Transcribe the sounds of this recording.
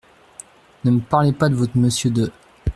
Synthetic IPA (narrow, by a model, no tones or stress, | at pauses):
nəməpaʁlepad̪əvɔt̪χməsjød̪ə